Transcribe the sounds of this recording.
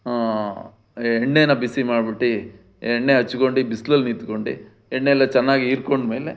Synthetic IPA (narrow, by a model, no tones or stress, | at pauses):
aː | ɛɳːenɐbisimaːɽbiʈːi | eɳːeɐt͡ʃːukoɳɖibislɐlniːt̪ukoɳɖḭ | eɳːelːɐt͡ʃɛnːaːɡiiɾkoɳɖmeːle